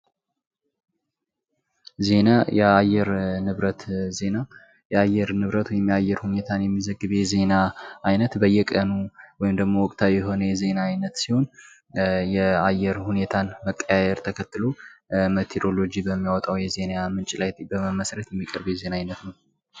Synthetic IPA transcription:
ze̞najɛajɛɾnɨβɾət̪ze̞na | jɛajːɛɾnɨβɾət̪wɔjɪmjajːɛɾhune̞t̪ʰanjɛmːizəɡːɨβe̞ze̞naːjnət̪bəjːɛkʼənuwɔjɪmd̪əɡmo̞wɔkʼt̪ʰawijɛɦo̞nəjɛze̞naːjnət̪siho̞n | jɛajːɛɾhune̞t̪ʰanməkʼːəjajɛɾt̪ʰəkʰət̪ːɨlomet̪ʰeɾolo̞d͡ʒibəmːijawɔt̪ʼawjɛze̞namɨnt͡ʃʼlajt̪bəməməsɾət̪jɛmːikʼəɾbeze̞naajnət̪nəw

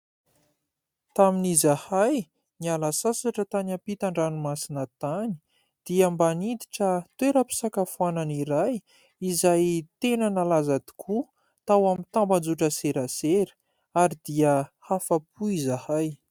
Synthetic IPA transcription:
t̪aminizahaj | nialasasaʈ͡ʂət̪anapit̪aɳɖ͡ʐanumasinət̪ani̥ | d̪̥iambanid̪iʈ͡ʂət̪weɾəpi̥sakafuananiɾaj | izajt̪enənalazad̪i̥kʰu | t̪awamit̪amband͡zuʈ͡ʂəseɾaseɾə̥ | aɾid̪iəhafap̚uizahaj

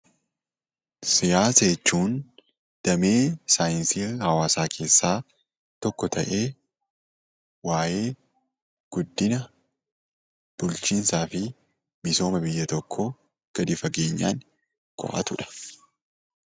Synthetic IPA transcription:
sɪjaːsɐjɛt͡ʃːuːn | d̪̥ɐmeːsaːjɪnsiːhɐwaːsaːkʰe̞ːsːaː | t̪ɔkːɔt̪ʰɐʔe̞ː | waːje̞ː | ɡ̥ʊd̪ːɪnɐ | b̥ʊlt͡ʃiːnsaːfɪ | mɪso̞ːmɐbɪjːɐt̪ɔkʰːɔ | ɡ̥ɐd̪ɪfɐɡe̞ːɲːa̰ːŋ | kɔ̰ʔɐ̰t̪ʊᶑɐ̥

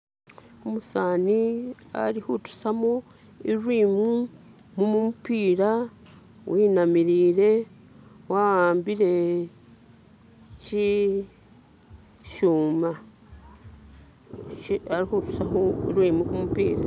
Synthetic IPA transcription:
omusaːnia̰ɾihutu̥samo | iɾwiːmi | mumumupiːɾa | wʔiːnamiɾiːɾe̞ | waaːmbiɾe̞ | ci | ʃuːma | aɾihutu̥sahoiɾwiːmikumupḭːɾa

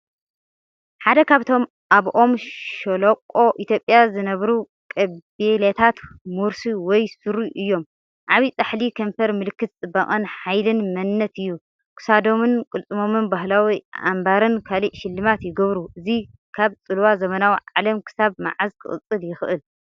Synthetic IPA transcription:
ħad̪ɐkʰaβt̪ʰo̞m | ʔaβʔo̞mʃolokʼːo̞ʔit̪ʰjo̞pʼjazɨnɐβɾu | kʼɐelet̪ʰat̪muɾsiwɔjsɨɾuʔɨjːo̞m | ʔaβit͡sʼaħlikʰɐmfɐɾmɨlɨkːɨt̪̚t͡sʼɨbːɐkʼɐnħajlɨnmɐnːɐt̪ɨjːu | kʰɨ̥sad̪o̞mɨnkʼɨlt͡sʼɨmo̞mɨnbaɦlawiʔa̰mbaɾɨnkʰaliʔʃɪlːɨmat̪jɪɡɐβɾuʔɨzi | kʰaβt͡sʼɨlwazɐmɐnawiʕalɐmkʰɨ̥saβma̰ʕazkʰɨ̰χʼɨ̰t͡sʼːɨljɪxɨʔɨl

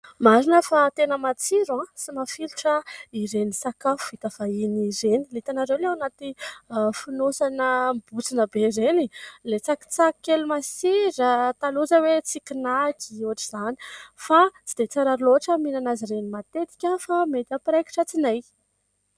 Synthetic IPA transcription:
maɾinəfat̪enəmat͡siɾuãsimafiluʈ͡ʂəiɾenisakafuvit̪afainiɾenilit̪anaɾewleanat̪ifinosanəmb̥ut͡sinəbeɾenilet͡saki̥t͡saki̥kelumasiɾət̪aluzəwet͡sikʲinaɡ̪iuaʈ͡ʂizani̥fat͡si̥d̪et͡saɾaɾuloaʈ͡ʂəminanaziɾenimat̪et̪i̥kʲafamet̪apɾejki̥ʈ͡ʂət͡sinaj

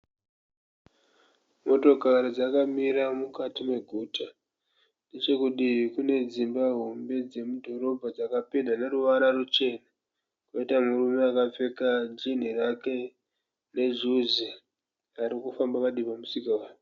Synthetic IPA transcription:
mo̞to̞kaɾid͡zakamiɾamukatime̞ɡʱuːta | nde̞t͡ʃe̞kuɗiikune̞d͡zimbaɦombe̞d͡ze̞mudʱo̞ɾo̞bʱad͡zakapedane̞ɾuʋaɾarut͡ʃe̞na | kwaitamurumeakap͡fe̞kad͡ʒin̤irake̞ | ne̞ʐuzi | aɾikufambakaɗipamusikawaːjo

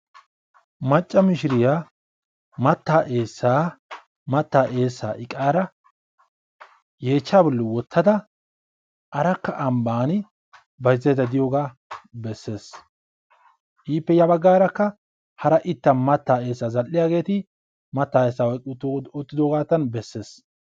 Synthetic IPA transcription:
mɐt͡ʃʼːɐmɪʃɪɾɪja | mɐt̪ːaːʔeːsːaː | mɐt̪ːaːʔe̞ːsːaːʔɪkʼaːɾɐ | je̞ːt͡ʃːaːbʊlːʊwɔt̪ʰːɐd̪ɐ | ʔɐɾɐkːɐʔɐmbaːnɪ | bɐjzɐjd̪ɐd̪ɪjoːɡaː | bɛsːe̞ːs | ʔiːpːɛjɐbɐɡːaːɾɐkːɐ | hɐɾɐʔɪt̪ːɐnmɐt̪ːaːe̞ːsːaːzɐlːɪjaːɡe̞ːt̪ɪ | mɐt̪ːaːeːsːaːwɔjk̪ʼːɔt̪ːɪd̪oːɡaːt̪ːɐnbɛsːe̞ːs

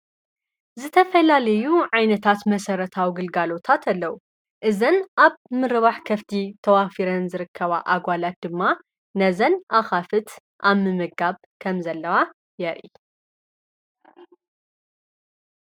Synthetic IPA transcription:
zɨt̪ʰɐfɐlalɐjuʕajnɐt̪ʰat̪mɐsɐɾɐt̪ʰawiɡɨlɡalo̞t̪ʰat̪ʰɐlːɐwu | ʔɨzɐnʔaβmɨɾɨβaħkʰɐft̪ʰit̪ʰɐwafiɾɐnzɨɾɨkʰːɐβaʔaɡʷalat̪̚d̪ɨmːa | nɐzɐnʔaxafɨt̪ | ʔaβmɨmɨɡaβ | kʰɐmzɐlːɐwa | jɛɾʔi

